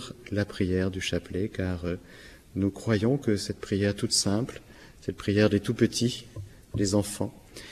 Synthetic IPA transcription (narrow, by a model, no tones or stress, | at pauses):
ʁlapχijɛʁd̪yʃaplekaʁø | nukχwajɔ̃kəsɛt̪̚pχijɛʁt̪ut̪sɛ̃pl | sɛt̪̚pχijɛʁd̪et̪upət̪ʰi | d̪ezɑ̃fɑ̃